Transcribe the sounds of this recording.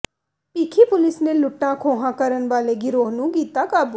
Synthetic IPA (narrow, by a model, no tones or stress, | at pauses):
piːkʰipʊlɪsnelʊʈːãkʰõːɦãkəɾənʋaːleɡɪɾoːɦnũɡiːt̪akaːbu